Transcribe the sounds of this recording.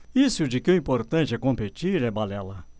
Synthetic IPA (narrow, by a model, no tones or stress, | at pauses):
isʊd͡ʒɪkɪʊĩpoɾt̪ɐ̃t͡ʃɪɛkõmpet͡ʃiɾɛbalɛlɐ